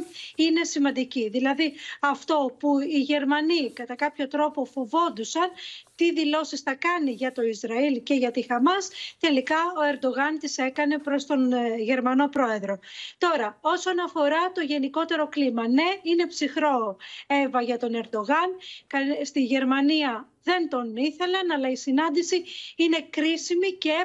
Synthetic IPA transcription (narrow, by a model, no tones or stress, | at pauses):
ine̞simɐnd̪iciðilɐðiɐft̪o̞puiʝe̞ɾmɐnikɐt̪ɐkɐpço̞t̪ɾo̞po̞fovo̞nd̪usɐnt̪iðilo̞sisθɐkɐniʝɐt̪o̞izɾɐilce̞ʝɐt̪ixɐmɐst̪e̞likɐo̞e̞ɾd̪o̞ɣɐnt̪ise̞kɐne̞pɾo̞st̪o̞nʝe̞ɾmɐno̞pɾo̞e̞ðɾo̞t̪o̞ɾɐo̞so̞nɐfo̞ɾɐt̪o̞ʝe̞niko̞t̪e̞ɾo̞klimɐne̞ine̞psixɾo̞e̞vɐʝɐt̪o̞ne̞ɾd̪o̞ɣɐnkɐst̪iʝe̞ɾmɐniɐ | ðe̞nt̪o̞niθe̞lɐnɐlɐisinɐnd̪isiine̞kɾisimice̞